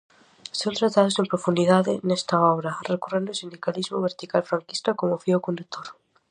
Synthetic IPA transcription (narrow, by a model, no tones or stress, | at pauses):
sont̪ɾat̪aðozðempɾofund̪iðaðenest̪aoβ̞ɾarekorend̪osind̪ikalizmoβeɾt̪ikalfɾaŋkist̪akomofiokond̪uk̚t̪ʰoɾ